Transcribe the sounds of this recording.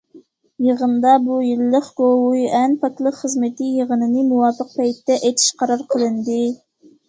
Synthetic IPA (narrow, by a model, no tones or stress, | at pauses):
jəʁənd̪ɑbujilːəχɡowuʔɛnpʰɑt̪lˠəχəzmɪt̪ʰɪjəʁənɨnɨmuwɑfɨq̚pʰɛjt̪ːɛʔɛt̪ʰi̥ʃqʰɑɾɑɾqʰəlˠɨnd̪ɪ